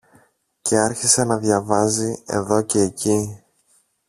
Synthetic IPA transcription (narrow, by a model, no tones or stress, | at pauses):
ce̞ɐɾçisenɐðʝɐvɐzie̞̰ðo̞ce̞ːci